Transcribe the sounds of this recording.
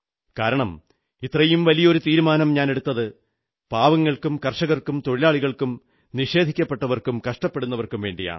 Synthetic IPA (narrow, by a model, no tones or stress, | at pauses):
kaːɾɐɳɐm | it̪rɐjumʋɐlijɐo̞ɾut̪iːɾumaːnɐmɲaːne̞ɽut̪ːɐðɨ | paːʋɐŋːɐɭkumkɐrʂɐɣɐrkumt̪o̞ɻilaːɭiɣɐɭkum | niʂe̞ːd̪ʱikʲːɐpːe̞ʈːɐʋɐrkumkɐʂʈɐpːe̞ɽunːɐʋɐrkumʋe̞ːɳɖija̰ːɳɨ̰